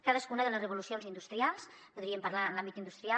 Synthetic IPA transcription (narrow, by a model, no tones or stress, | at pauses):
kaðəskunəðələzrəβ̞ulusionzind̪ust̪ɾialˠs | puðɾiəmpəɾlaənlambit̪ind̪ust̪ɾia